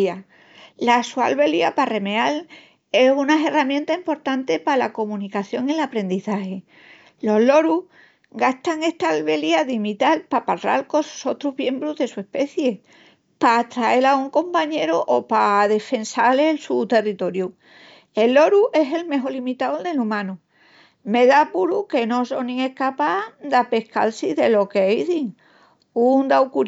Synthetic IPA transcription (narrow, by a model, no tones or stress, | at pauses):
a | lasua̰lβe̞liapare̞me̞al | e̞hunaeramjent̪aimpo̞ɾt̪ant̪e̞palako̞mũnikaθjo̞ŋilapɾẽ̞nd̪iθahe̞ | lo̞ɦlo̞ɾu | ɡast̪aŋe̞ht̪aːlβe̞liaðimit̪alpapaðɾa̰lko̞sso̞t̪ɾuɦβje̞mbɾuðe̞sue̞hpe̞θje̞ | paːt̪ɾae̞lauŋko̞mpaɲe̞ɾoʔopaðe̞fe̞nsaleːlsut̪e̞rit̪o̞ɾju | e̞lːo̞ɾuʔe̞se̞lme̞ɦo̞limit̪awld̪e̞lumãnu | meðapuɾuke̞no̞so̞nĩŋe̞hkapad̪ape̞hka̰lsiðe̞lo̞kejðiŋ | und̪awkuɾ